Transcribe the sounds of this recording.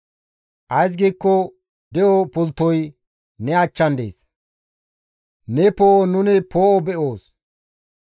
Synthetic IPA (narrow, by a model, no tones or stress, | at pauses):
ʔɐjs̬ɡiːkːɔ | d̪ɛɔpʊlt̪ːɔj | nɛɐt͡ʃːɐnd̪ḛːs | nɛpoːɔnʊnɪpʰoːɔbɛʔoːs